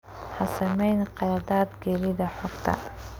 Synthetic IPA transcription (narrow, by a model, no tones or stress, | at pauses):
ħɐsɐmɛjnqɑjad̪aːd̪ɡɛlɪðɐħɔɡt̪ʰɐ̰